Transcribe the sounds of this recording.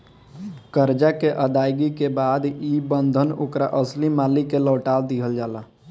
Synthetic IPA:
kəɾd͡ʒakeʔəd̪aːjɡikebaːd̪ibənd̪ʱəno̰kɾa̰ʔəslimaːlikeləːʈaːld̪iɦəld͡ʒaːla

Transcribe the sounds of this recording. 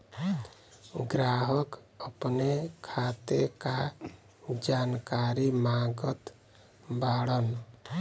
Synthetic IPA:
ɡɾaɦək | əpnekʰat̪eka | d͡ʒankaɾimaɡət̪ | baɽən

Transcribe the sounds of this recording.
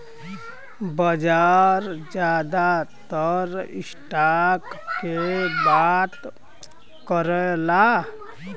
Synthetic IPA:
bɔd͡ʒaɾd͡ʒad̪at̪ɔɾḭsʈakkebat̪ | kɔɾɔla

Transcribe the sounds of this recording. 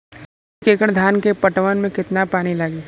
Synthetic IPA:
keːkəɽd̪ʱaːnkepɐʈʋənmẽkɪt̪napaːnilaɡeː

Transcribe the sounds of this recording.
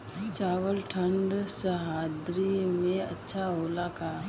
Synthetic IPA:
t͡ʃaːwəlʈʰəɳɖsəɦaːd̪ɾimẽɐ̰tːʃʰaɦoːlakaː

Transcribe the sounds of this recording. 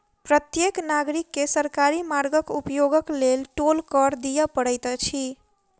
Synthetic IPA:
pɾət̪jeknaɡɾikːesəɾkaɾimaɾɡəkupjoɡəklelʈolkəɾd̪ijəpəɽəjt̪t͡ʃʰi

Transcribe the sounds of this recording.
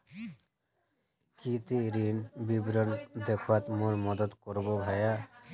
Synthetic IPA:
kit̪iɾinbibɾɔnd̪ekʰwat̪mulmɔd̪ɔt̪kɔɾbɔbʱaja

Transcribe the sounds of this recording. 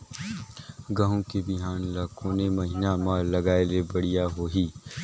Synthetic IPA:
ɡɐɦõkebɪɦaːnlaːkʰõːnemɐɦɪnamalɐɡaːelebɐɽ̤ijaɦoːɦiː

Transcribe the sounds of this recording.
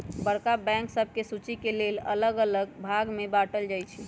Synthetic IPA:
bəɽkabɛ̃ŋksəbʱkesut͡ʃikelelə̰ləɡələɡbʱaɡmebaʈəld͡ʒajt͡ʃʰi

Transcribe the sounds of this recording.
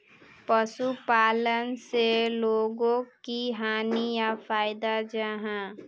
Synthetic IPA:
pəʃupaːlənseloːɡõkiɦaːnijafaːɪd̪ad͡ʒaɦãː

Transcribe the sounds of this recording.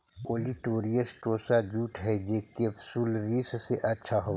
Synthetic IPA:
oːliʈoːɾijəsʈoːsad͡ʒuːʈɦɛd͡ʒeːkefsuːlɾiːsseʔɐtːʃʰaɦo

